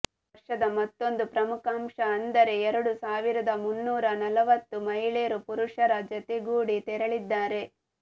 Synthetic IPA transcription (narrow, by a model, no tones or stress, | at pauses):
ɾʂɐd̪ɐmɐt̪ːo̞nd̪upɾɐmukaːmʂɐːnd̪ɐɾe̞ɛɾɐɽusaːʋiɾɐd̪ɐmunːuːɾɐnɐlɐʋɐt̪ːumɐɦiɭeːɾupuɾuʂɐɾɐd͡ʒɐt̪eɡuːɽit̪ɛɾɐɭid̪ːaːɾe̞